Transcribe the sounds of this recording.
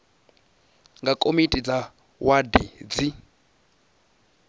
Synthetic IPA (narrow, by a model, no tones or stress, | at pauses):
ŋɡakʼomitʼid͡za | wadid͡zi